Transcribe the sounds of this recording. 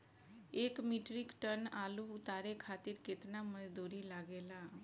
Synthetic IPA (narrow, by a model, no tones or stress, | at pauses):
eːkmiʈɾɪkʈənaːluʊt̪aːɾekʰaːt̪ɪɾkɪt̪namɐd͡ʒd̪uːɾilaɡeːlaː